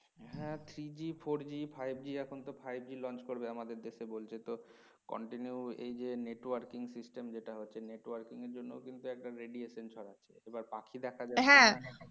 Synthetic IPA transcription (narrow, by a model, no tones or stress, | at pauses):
ɦɛ̃t̪ʰɾid͡ʑifoɾd͡ʑifajb̚ʱd͡ʑiɛkʰont̪ofʰajb̚ʱd͡ʑilɔnt͡ɕkoɾbeamad̪eɾd̪eʃebolt͡ɕʰet̪o | kɔ̰ɳʈinjuḛjd͡ʑeneʈwaɾkiŋsisʈemd͡ʑeʈaɦotːʰeneʈwaɾkiŋeɾd͡ʑonːokint̪uɛk̚ʈaɾeɖieʃent͡ɕʰɔɾaːḛebaɾpakʰid̪ɛkʰad͡ʑaɦɛ̃